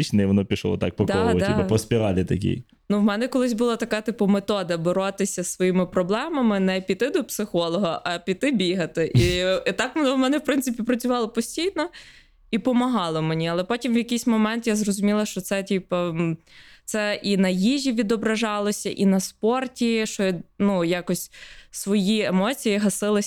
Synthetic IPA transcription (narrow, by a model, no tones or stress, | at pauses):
it͡ʃnɪjʋɔnɔpʲiʃlˠɔ̰ɔ̰t̪ɑ̰k̚pɔkd̪ɔd̪tɑiɐpɔspʲiɾɑlʲit̪ɐkʲḭj | nuwmɛnɛkɔlˠɪsʲbʊlˠat̪ɐkat̪ɪpʊmet̪ɔd̪ɐboɾɔt̪ɪsʲɐsʋɔjimɪpɾɔblˠɛmɐmɪnɛpʲit̪ɪd̪ɔpsɪxɔlˠɔɦɐʔɐpʲit̪ɪbʲiɦɐt̪ɪʔit̪ɑkʋɔnɔwmɛnɛwpɾɪnsɨɪpʲipɾɐt͡sʲʊʋɑlˠɔpɔsʲtʲijnɔ | ipɔmɐɦɑlˠɔmenʲiɐlˠɛpɔtʲimʋjɐkɪjsʲmɔmɛnt̪jazrɔzʊmʲilˠɐʃt͡ʃɔt̪sɛtʲipɐ | t̪sɛʔinɐjiʒʲiʋʲid̪ɔbɾɐʒɑlˠɔsʲɐʔinɐspɔrtʲiʃt͡ʃɔnujɑkɔsʲsʋɔjiemɔt͡sʲijiɦɐsɪlˠɪ